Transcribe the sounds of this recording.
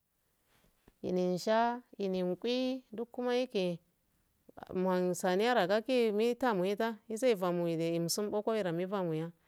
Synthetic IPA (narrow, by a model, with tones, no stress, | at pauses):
jḭ˨ni˨n˨ʃa˦ji˨ni˨n˨kʷʼi˦du˦kːu˦ma˦ji˦ke˨ | m˨a˨nsa˨ni˦a˦ɾa˨ka˦ki˦mi˦ta˦˨mu˨ji˦ta˦i˦s̬a˦i˨va˨mu˨i˨de˨i˨m˨su˦m˦bo˦ko˦i˦ɾa˨mi˦va˦mu˨ja˦